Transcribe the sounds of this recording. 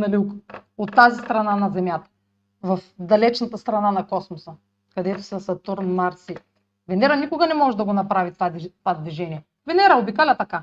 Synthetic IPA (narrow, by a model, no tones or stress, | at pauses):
nɐlʲikot̪ːazist̪ɾɐnanɐzɛmjat̪ɐ̥ | vɐfd̪ɐlɛt͡ʃnɐt̪əst̪ɾɐnanɐkɔsmosə | kɐd̪ɛt̪o̥sɐsɐt̪uɾnmaɾsi | vɛnɛɾanikʊɡɐnɛmɔʒɛd̪ɐɡonɐpɾavit̪at̪vad̪viʒɛniɛ | vɛnɛɾaobikalʲɐt̪ɐka